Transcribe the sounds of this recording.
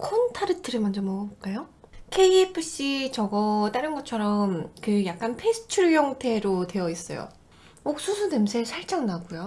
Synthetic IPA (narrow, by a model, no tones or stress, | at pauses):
kʰontʰaɾɯtʰɯɾɯmand͡ʑʌmʌk͈ajokʰe̞ipʰɯɕ͈it͡ɕʌɡʌt͈aɾɯnɡʌt͡ɕʰʌɾʌmkɯjak̚k͈anpʰe̞sʰɯ̥t͡ɕʰuɭjʌŋtʰe̞ɾotwe̞jʌis͈ʌ̰jo̰ | ok̚s͈usʰunemsʰesʰaɭt͡ɕ͈aŋnaɡujo